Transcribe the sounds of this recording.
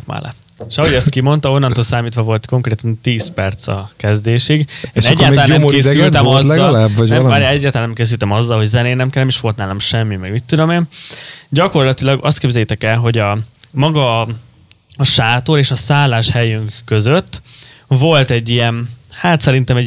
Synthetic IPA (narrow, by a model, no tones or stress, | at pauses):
kma̰ːlɛ̰ | eʃɒɦo̞ɟɛst̪̚kimo̞nt̪ɒo̞nːɒnt̪oːlsaːmiːt̪ʋɒvo̞lt̪ko̞ŋkreːt̪ɒnt̪iːspɛrt̪sɒ̰kɛzd̪eːʃiɡeːʃnɛɛɟːaːlt̪ɒlanːɛmeːsyltt̪ɛmɒzɛlabɛaɾɛɟːaːlt̪ɒlanɛmkeːs̬ylt̪ɛmɒzːɒlɦo̞ɟzɛneːnɛmkɛlːɛmiʃʋo̞lt̪naːlomʃɛmːimɛɡmit̪ːud̪o̞meːnɟɒko̞rlɒt̪ilɒɡɒ̰st̪̚keːbzɛjit̪ɛkɛlɦo̞ɟɒmɒɡɒ | ɒʃaːt̪oːɾeːʃɒsaːlːaːʃhɛjyŋkːø̞zøt̪ː | vo̞lt̪ɛɟːijɛnhaːt̪sɛɾint̪ɛmɛ